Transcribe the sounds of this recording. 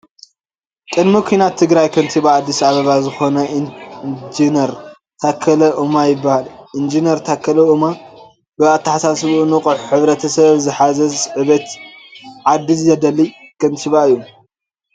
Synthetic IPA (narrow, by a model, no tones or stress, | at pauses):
kʼɨd̪mikʷʰuijnat̪ʰːɨɡɾajkʰɐnt̪ʰiβaːd̪ːisaβɐβazɨxo̞nɐ | d͡ʒinɐɾ | t̪ʰakʰːɐlɐʔumajɪbːahalʔind͡ʒinɐɾt̪ʰakʰːɐlɐuma | bɨat̪ːɐħasasβunɨqʼħħɨβɾɐt̪ʰɐsɐβzɨħazɐzɨβet̪ | ʕad̪izzɐd̪ɐlikʰɐnt̪ʰiβaɨjːu